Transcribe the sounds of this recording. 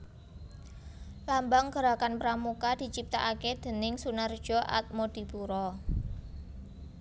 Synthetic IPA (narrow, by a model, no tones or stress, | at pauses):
lambaŋɡəɾakanpɾamukad̪̥i̤t͡ʃip̚t̪aʔaked̪̥ə̤nɪŋsunərd̥ʒ̥ɔ̤ʔa̰t̪̚mod̪̥i̤puɾɔ